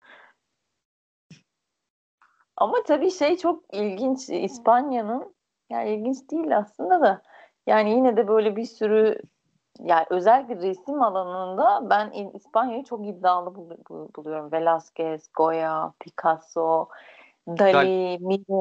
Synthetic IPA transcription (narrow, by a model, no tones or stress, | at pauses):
a̰mat̪ʰabiːʃe̞jt͡ʃʰo̞k̚ilʲɟint͡ʃispanjanɯn | ja̰ilʲɟint͡ʃd̪iːlʲaslˠɯnd̪ad̪a | jaːnijinɛd̪ɛbø̞jlʲɛbiɾsyɾy | jaːnʔø̞zælʲklʲɛɾesimalˠanɯnd̪abæniispanjajɯt͡ʃʰo̞kid̪ːaːlˠɯbbulˠujo̞ɾumve̞lʲascɛsɡo̞japʰikʰaso | d̪alʲimi